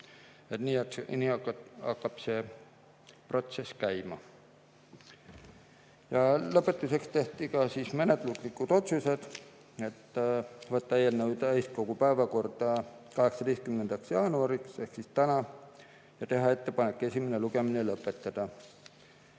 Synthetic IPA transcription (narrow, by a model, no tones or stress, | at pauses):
et̪niːɑniːɑɑkːɑb̥se̞ | pro̞t̪se̞skæjmɑ | jɑlɤpːˑe̞t̪ːˑuse̞kst̪e̞ht̪ikɑsiːsmenet̪luklikːˑud̪̥o̞t̪suse̞d̪̥ | e̞t̪ːvɑt̪ːɑejelnəwd̪ɑejst̪̚ko̞ɡ̥upæevɑko̞rd̪̥ɑkɑɦe̞ksɑd̪est̪̚kymnend̪̥ɑksjɑːnuɑɾiksehksist̪ænɑ | jɑt̪e̞ɦɑe̞t̪ːe̞pɑne̞kːˑe̞sʲimeneluɡ̥e̞minelɤpːˑe̞t̪ːɑd̪̥ɑ